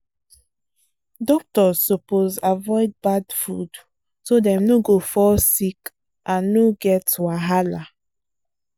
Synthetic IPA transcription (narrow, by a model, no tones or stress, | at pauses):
dɔk̚tɔzːopozavɔɪd̚badfud | sodɛ̃mnoɡofɔsik | ʔãnːoɡɛtwaɦala